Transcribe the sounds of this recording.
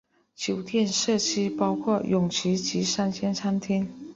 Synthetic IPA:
t͡ɕjo˨˩ʊt̪ʰjɛ˥˧nʂɤ˥˩t͡ɕʰi˥pɑ˥ʊkʰwɔ˥˩jʔʊ˨˩ŋt͡ɕʰi˧˥t͡ɕi˧˥ʂa˥nt͡ɕʰjɛ˥nt͡sʰa˥nt̪ʰi˥n

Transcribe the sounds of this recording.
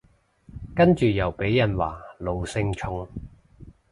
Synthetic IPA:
kɐ˥nt͡ʃyː˨jɐ˨˩wpe˨˥jːɐ˨˩nwa̰ː˨˩lo˨˧wsɪ˧ŋt͡ʃʰʊ˧ŋ

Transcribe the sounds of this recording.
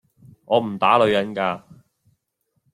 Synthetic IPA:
ŋɔː˨˧m̩˨˩t̪aː˨˥lɵ˨˧ɥjɐ˨˥nkaː˧

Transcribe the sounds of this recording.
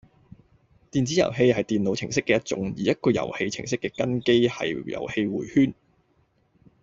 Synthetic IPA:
t̪iː˨nt͡siː˨˥jɐ̰˨˩wɦe˧jɦɐ˨jt̪iː˨˩nlo˨˧wt͡sʰɪ˨˩ŋsɪ˥kːɛː˧jɐ˥t̚t͡sʊ̰˨˥ŋjiː˨˩jɐ˥t̚kɔː˧jɐ̰˨˩whe˧jt͡sʰɪ̰˨˩ŋsɪ˥kːɛː˧kɐ˥nke˥jhɐ̰˨jjɐ̰˨˩whe˧jwuː˨˩jhyː˥n

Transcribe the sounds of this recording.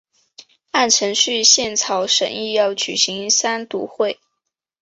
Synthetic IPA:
a˥˩nʈ͡ʂʰɤ˧˥ŋɕy˥˧ɕjɛ˥˩nt͡sʰɑ˨˩ʊʂə̰˨˩ŋi˥˧jɑ˥˩ʊt͡ɕy˨˩ɕi˧˥ŋsa˥nt̪u˧˥xwe˥˩ɪ

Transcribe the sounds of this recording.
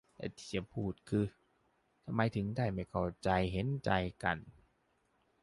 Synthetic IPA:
lɛ̰˧˩t̪ʰi̥ː˧˩t͡ɕa˧˩pʰuː˧˥˩t̪̚kʰɯː˧ | t̪ʰa˧ma˨˦jt̪ʰɯ˨˦ŋdaː˥˩jma˧˥˩jkʰa˨˩wt͡ɕa˧jɦe˨˦nt͡ɕa˧jka˧n

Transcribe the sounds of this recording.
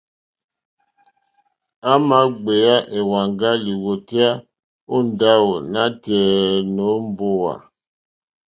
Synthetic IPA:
a˦ma˦ɡ͡be˨a˦ʔe˨wa˨ŋɡa˦li˨wo˨ti˦a˦ | u˦n˨˦da˦wo˨na˦tɛː˨no˨˦m˦˨bo˦wa̰˨

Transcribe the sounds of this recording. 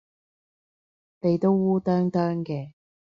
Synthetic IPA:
ne˨˧jt̪o˥wːuː˥t̪œː˥ŋt̪œː˥ŋkɛː˧

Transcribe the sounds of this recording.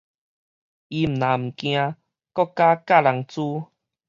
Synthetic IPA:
i˧m̩˨˩nã˨˦m̩˨˩kj̃ã˧ | kɔ˥˦ka˦ka˥˧˨la˧ŋt͡su˦

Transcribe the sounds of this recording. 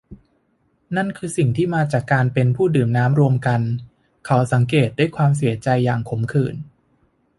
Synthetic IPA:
na˥˩nkʰɯː˧si˨˩ŋt̪ʰiː˥˩maː˧t͡ɕaː˨˩kːaː˧npe˧npʰuː˥˩dɯː˨˩mnaː˦˥mɾu˧əmka˧n | kʰa˦˥wsa˩˦ŋkeː˨˩t̪̚du˥˩əjkʰwaː˧ms̬i˨˩˦ɐt͡ɕa˧jːa̰ː˨˩ŋkʰo˩˦mkʰɯː˨˩n

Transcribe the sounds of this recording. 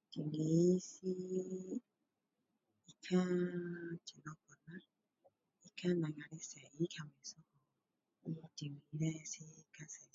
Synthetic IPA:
ti˨ŋe˨˦si˦ | i˨kʰa˦ | t͡ʃi˨nɔ˦kɔ˨na˦ | i˦kʰa˦na˨ŋa˨ɾi˦sa˨i˦kʰa˨me˨sɔ˦kɔ˨˦ | ti˨miɾɛ˦si˦ka˦se˨

